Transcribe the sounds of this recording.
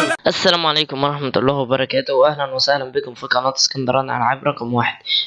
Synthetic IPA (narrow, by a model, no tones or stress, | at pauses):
ʔasːælæːmʕaleːkʊmwɑɾˤɑħmat̪ɑlˤːɑːhwɪbɑɾˤɑkæːt̪ʊhwʔahlænwɪsahlænbɪkʊmfiqɑnɑːt̪skɑnd̪ɑɾˤɑːnʕa̰lʕabɾˤɑqmwaːħɪd̪̥̚